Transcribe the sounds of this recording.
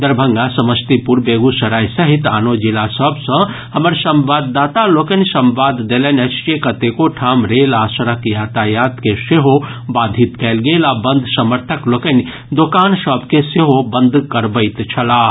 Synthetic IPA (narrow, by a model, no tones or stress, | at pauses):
d̪əɾbʱə̃ŋɡasɐməst̪ipuɾbeːɡusɐɾaːjsɐɦit̪aːnod͡ʒilasəbsɐ̃ | hɐməɾsɐmʋaːd̪ːaːt̪alokənsɐmʋaːd̪d̪elenesʈekɐt̪ekoʈʰaːmɾeːlaːsəɾəkjaːt̪ajaːt̪keseɦobaːd̪ʱit̪kɛlɡeːlabə̃nd̪ʱsɐməɾt̪ʰəklokən | d̪okaːnsəbkeseɦobə̃nd̪ʱkəɾbəɪt̪t͡ʃʰɐlaː